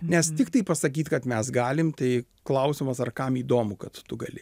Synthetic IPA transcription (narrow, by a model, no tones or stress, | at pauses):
nʲɛst̪ʲɪkt̪ɐɪpɐsɐkʲiːt̪kɐt̪mʲɛsɡɑːlʲɪmt̪ɐɪ | klˠɐʊsʲɪmɐsɐrkɐmiːd̪oːmʊkɐt̪t̪ʊɡɐlʲɪ